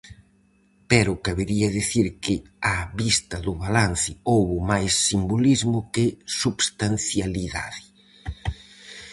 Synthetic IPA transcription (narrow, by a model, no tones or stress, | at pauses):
pɛɾʊkaβeɾiɐðiθiɾkɪ | aβist̪ɐðʊβalan̟θɪowβʊmajsːimbolizmʊkɪsuβst̪anθjaliða̰ðɪ